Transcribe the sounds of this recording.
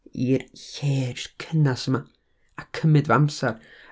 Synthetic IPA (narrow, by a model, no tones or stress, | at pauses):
irçe̥ːkʰənasəma | akʰəmɨdvamsar